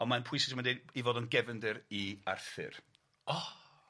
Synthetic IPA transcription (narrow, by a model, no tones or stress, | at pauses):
ɔnmanpʰʊjsɪsmadeivoːdɔnɡɛvəndɨɾia̰rθɪ̰r | ɔ